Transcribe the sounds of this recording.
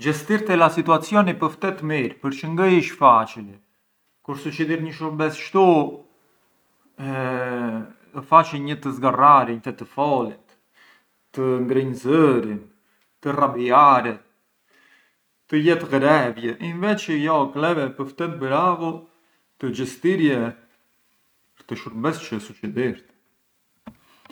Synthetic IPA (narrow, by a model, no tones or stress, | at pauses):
d͡ʒɛst̪iɾt̪ɛlasit̪uat͡sjɔnipəft̪ɛt̪miɾpəɾt͡ʃəŋɡəiʃfat͡ʃili | kuɾsut͡ʃiðiɾɲəʃuɾbɛsʃt̪u | ɛ | əfat͡ʃiɲət̪əzɡaraɾiɲt̪ɛt̪əfɔlit̪ | t̪əŋɡɾəɲzəɾin | t̪ərabiaɾɛt̪ | t̪əjɛt̪ɣɾɛvjɛʔinvɛt͡ʃəjɔklɛvɛpəɾft̪ɛt̪̚bɾavu | t̪əd͡ʒəst̪iɾjɛ | pəɾt̪əʃuɾbɛst͡ʃəsut͡ʃid̪iɾt̪